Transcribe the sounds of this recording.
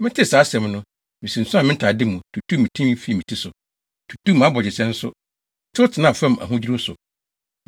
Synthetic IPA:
mɪ̃˦tʰɪ˦saː˨˦sɛ̃˨mnʊ̃˦ | mĩ˨sĩ˨n̩˨sʊ˦a˨mɪ̃˦n̩˦tʰa˨dɪ˦mũ˨tʰu˨tʰu˦mĩ˨tʰĩ˦m˦fi˦˨mĩ˨tʰi˦sʊ˨ | tʰu̥˨tʰu˦m˨a˦bɔ˨d͡ʑɪ˨sɛ̃˦n̩˦sʊ̰˦˨ | tʰɪ˦ʊ˦tʰɪ˨nã˦˨fã˦˨m˨a̰˨ɦʊ̃˦d͡ʑi˦ɾu˦sʊ˨

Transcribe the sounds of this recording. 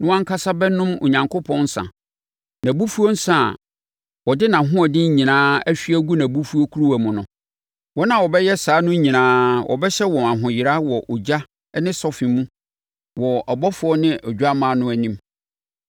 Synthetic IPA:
nʊ̃˦wã˦ŋ˦kʰa˦sa˦bɛ˦nʊ̃˦mo̰˨ɲã˨ŋkʰo˦pʰɔ̃˦n˦sã̰˨ | nã˨bu˦fu˦o˦n̩˦sã˦˨ | wɔ˨dɪ˦nã˨ɦʊ̃˦ɔ˨dɪ̃˦ɲ̩˦ɲĩ˨nãː˦æ˦ɕᶣi˦æ˦ɡu˦nã˨bu˦fu˦o˦kʰu˦ɾu˦wæ˨mʊ̃˨nʊ̃˨ | wɔ˦nã˨wɔ˨bɛ˦jɛ˦saː˨˦nʊ̃˦ɲĩ˨nãː˦wʔɔ̰˨bɛ˦ɕɛ˦wɔ̃˨ã˨ɦʊ̃˨jɪ˨ɾa˦wɔ˨ʔɔ˨d͡ʑa˦ | nɪ̃˦sɔ˦fĩ˨mũ˦ | wɔ˨a˨bɔ˦fʊ˨˦ɔ˦nɪ̃˦ʔɔ˨d͡ʑᶣu˦a˦mã˨˦nʊ̃˦æ˨nĩ˦m

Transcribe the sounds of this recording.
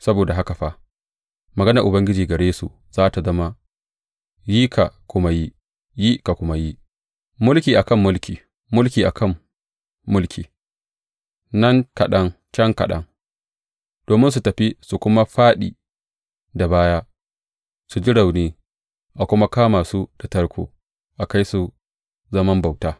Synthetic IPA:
sɐ˦boː˨da˨ɦa˦ka˨ɸa˦ | mɐ˨ɡɐ˦na˨ʔʊ˨bɐ˦ŋɡʲɪ˦d͡ʒiː˨ɡɐ˨ɽeː˦sṵ˨ | z̥aː˦ta˨zɐ˦ma˦ | ji˦kʰa̰˨kʷʊ˦ma˦ji˦ | ji˦ka˨kʷʊ˦ma˦ji˦ | mʊ˦lkʲiː˨ʔa˨kɐ˦˨mːʊ˦lkʲiː˨ | mʊ˦lkʲiː˨ʔa̰˨kʰɐ˦˨mː | ʊ˦lkʲiː˨ | nɐ˦ŋkɐ˨ɗɐ˦ŋ | t͡ʃɛ˦ŋkɐ̰˨ɗɐ̰˦ŋ | d̥oː˨mɪ˦ns̬u˨tɐ˨ɸi˦su˨kʷʊ˦ma˦ɸaː˦ɗḭː˨ | da˨baː˦jaː˦ | su˨d͡ʒɪ˦ɽa˨wniː˦ | ʔa˨kʷʊ˦ma˦kaː˦maː˨su˦da˨tɐ˦ɽkʷʰo̰ː˨ | ʔa˨ka˦jsu˨ | zɐ˦mɐ˦mba˨wtaː˦

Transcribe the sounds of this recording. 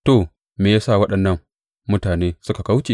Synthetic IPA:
to˨ | meː˨jaː˦sa˦˨wɐ˦ɗɐ˨nːɐ˦ŋ | mʊ˦taː˨neː˦sʊ˦ka˨ka˦wt͡ʃe˨

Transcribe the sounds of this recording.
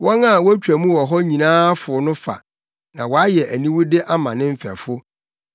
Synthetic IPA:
wɔ̃˦na˦˨wɔ˦æ˦t͡ɕᶣæ˨mũ˦wɔ˨ɦɔ˦ɲĩ˨nãː˦fʊ˨˦nʊ̃˦fa̰˨ | nã˨wɔ˨a˦jɛ˨ʔæ˨nĩ˦wʊ˦dɪ˦ʔa˦mã̰˨nɪ̃˦m̩˦fæ̰˨fʊ˦

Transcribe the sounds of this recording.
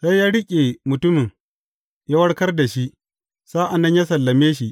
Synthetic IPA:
sa˦jːaː˦ɽɪ˦kʲʼe˨mʊ˨tʊ˦mɪ˨ŋ | ja˦wɐ˦ɽkɐ˦rda˨ʃi˦ʔ | saː˦ʔa˨nːɐ˦ɲjaː˦s̬ɐ˨lːɐ˨meː˦ʃi˦ʔ

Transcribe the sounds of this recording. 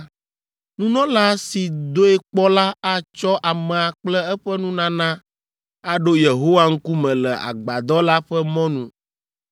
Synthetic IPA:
nũ˦nɔ̃˦la˦si˨d̪o˦e˦k͡pɔ˦la˦a˦t͡ʃɔ˦ʔa˨mɛ˨a˨k͡plɛ˦ɛ˦ɸɛ˦nũ˦nã˦nã˦ | a˦ɖo˦je˨ɦo˦wa˦ŋ̩˦ku˦mɛ̃˨lɛ˨a̰˨ɡ͡ba˨d̪ɔ˦la˦ɸɛ˦mɔ̃˦nũ˦˨

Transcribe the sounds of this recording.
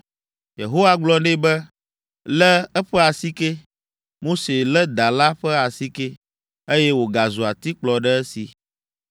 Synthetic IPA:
jḛ˨ɦo˦wa˦ɡ͡blɔ˦nẽ˦bɛ˦ | lɛ˦ɛ˦ɸɛ˦a˨si˦ke˦ | mo˦se˨lɛ˦d̪a˨la˦ɸɛ˦a˨si˦ke˦ | e˦jɛ˦wo˨ɡa˨zu˨a˨t̪i˦k͡plɔ˨ɖɛ˦ɛ˦sḭ˨

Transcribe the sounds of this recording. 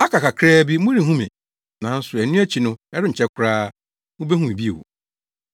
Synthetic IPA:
a˦kʰa˨ka˨kʰɾɛː˦bi˦mʊ̃˦ɾĩ˨ɦũ˦mɛ̰̃˨ | nã˨˦n̩˦sʊ˨ɛ˨nũ˦æ˦t͡ɕʰi˨nʊ̃˦ɛ˦ɾɪ˦ɲ̩˨t͡ɕʰɛ˦kʰʊ˦ɾaː˦ | mʊ̃˦be˦ɦũ˨bi˦e˨wo̰˨

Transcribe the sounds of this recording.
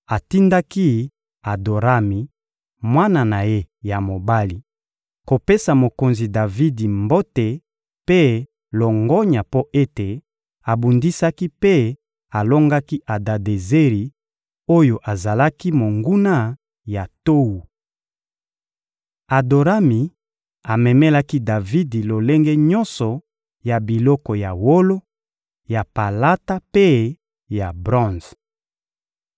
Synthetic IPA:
a˨ti˦nda˦ki˦ | a˨do˨ʁa˦mi˨ | mwa˦na˨na˨je˦ja˨mo˨ba˦li˨ | ko˨pe˦sa˨mo˨ko˨nzi˨da˨vi˦di˨mbo˦te˨ | pe˦ | lɔ˨ŋɡɔ˦ɲa˨po˦ʔe˦te˨ | a˨bu˨ndi˦sa˦ki˦pe˦ | a˨lo˦ŋɡa˦ki˦ʔa˨da˨de˨ze˦ʁi˨ | o˦jo˨ʔa˨za˨la˦ki˦mo˨ŋɡu˦na˦ | ja˨to˦wu˨ | a˨do˨ʁa˦mi˨ | a˨mɛ˨mɛ˦la˦ki˦da˨vi˦di˨lo˨le˦ŋɡe˦ɲɔ̃˦nsɔ˨ | ja˨bi˨lɔ˦kɔ˨ja˨wo˦lo˦ | ja˨pa˨la˦ta˦pe˦ | ja˨bʁɔ̃˦z

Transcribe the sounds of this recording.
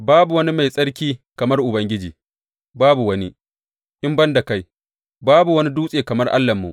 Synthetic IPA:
baː˦bu˨wɐ˦ni˦ma˨jsʼɐ˦ɽkʲiː˦kɐ˨mɐ˦rʔʊ˨bɐ˦ŋɡʲɪ˦d͡ʒiː˨ | baː˦bu˨wɐ˦ni˦ | ʔɪ˦mbɐ˦nda˨ka˦j | baː˦bu˨wɐ˦ni˦duː˦sʼeː˨kɐ˨mɐ˦rʔa̰˦lːɐ˨mːṵ˨ʔ

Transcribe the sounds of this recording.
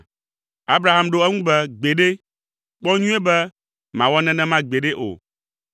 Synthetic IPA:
a˦bɾa˨ɦa˦mɖo˦ɛ˦ŋũ˦bɛ˦ɡ͡be˨ɖe˦ | k͡pɔ˦ɲũ˦ɛ˦bɛ˦ | mã˨wɔ˦nɛ̃˨nɛ̃˦mã˦ɡ͡be˨ɖe˦ʔo̰˨

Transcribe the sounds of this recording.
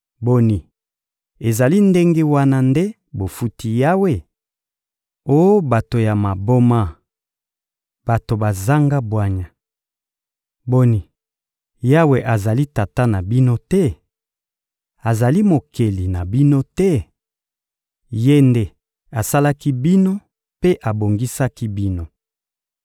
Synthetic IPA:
bo˦ni˨ | e˨za˨li˦nde˦ŋɡe˦wa˦na˦nde˦ | bo˨fu˦ti˦ja˦we˨ | o˦jo˦ba˨to˨ja˨ma˨bo˦ma˦ | b̥a˨to˨ba˨za˦ŋɡa˦bwa˦ɲa˨ | bo˦ni˨ | ja˦we˨ʔa˨za˨li˦ta˨ta˦na˨bi˦no˦tɛ˦ | a˨za˨li˦mo˨ke˨li˨na˨bi˦no˦tɛ˦ | je˦nde˦˨ | a˨sa˦la˦ki˦bi˦no˦ | pe˦ʔa˨bo˨ŋɡi˦sa˦ki˦bi˦no˦

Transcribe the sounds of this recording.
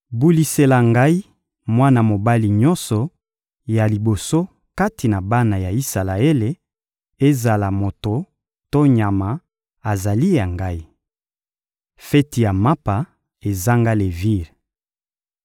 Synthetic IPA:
bu˦li˦se˨la˨ŋɡa˦i˦ | mwa˦na˨mo˨ba˦li˨ɲɔ˦nsɔ˨ | ja˨li˨bo˨so˦ | ka˦ti˨na˨ba˦na˨ja˨i˦sa˨la˨e˦le˨ | e˦za˨la˨mo˨to˨ | to˦ɲa˨ma˨ | a˨za˨li˦ja˨ŋɡa˦i˦ | fɛ˦ti˨ja˨ma˦pa˨ | e˨za˦ŋɡa˦le˨vi˦ʁ

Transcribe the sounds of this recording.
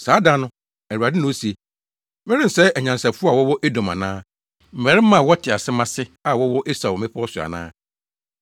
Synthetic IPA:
saː˨˦da˦nʊ̃˦ | æ˨u˨a˨dɪ˦nʊ̃˦o˦si˨e˨ | mɪ˦ɾɪ̃˦n̩˨sɛ˦ɛ˨ɲã˨n˨sa˨fʊ˦a˨wɔ˦wɔ˦ʔe˦dõ˨mã̰˨nãː˦ | m̩˨mɛ˨ɾɪ˦mã˨wɔ˦tʰɪ˨a˨sɪ˦mã˦sɪ˦a˨wɔ˦wɔ˦ʔe˦sa˨wɔ˨mɪ̃˦pʰɔ˦sʊ˨a̰˨nã̰ː˦

